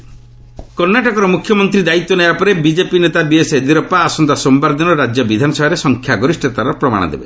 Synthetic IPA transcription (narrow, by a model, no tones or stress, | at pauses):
kɔɾnaʈɔkɔɾɔmukʰjɔmɔnt̪ɾid̪ait̪ːɔnebapɔɾebid͡ʒepinet̪abiesɦed̪iɾɔpaːsɔnd̪asɔmbaɾd̪ɔnɔɾad͡ʒjɔbid̪ʱanɔsɔɦɔɾesɔŋkʰjaɡɔɾisʈɔt̪aɾɔpɾɔma̰ɽ̃ɔ̰d̪ḛbe